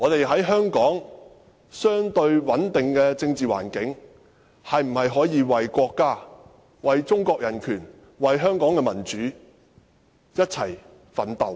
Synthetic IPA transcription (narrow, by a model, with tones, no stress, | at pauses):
ŋɔː˨˧t̪e˨jɦɐ˨˥jɦœː˥ŋkɔː˨˥ŋ | sœː˥ŋt̪ɵ˧ɥwɐ˨˥nt̪ɪ˨ŋkɛː˧t͡sɪ˧ŋt͡siː˨wa̰ː˨˩nkɪ˨˥ŋ | hɐ˨jm̩˨˩hɐ˨jɦɔː˨˥jiː˨˧wɐ˨jkʷɔː˧kːaː˥ | wɐ˨jt͡sʊ˥ŋkɔː˧k̚jɐ˨˩nkʰyː˨˩n | wɐ˨jɦœː˥ŋkɔː˨˥ŋkɛ˧mɐ˨˩nt͡ʃyː˨˥ | jɐ˥t̚t͡sʰɐ˨˩j | fɐ˨˥nt̪o˨w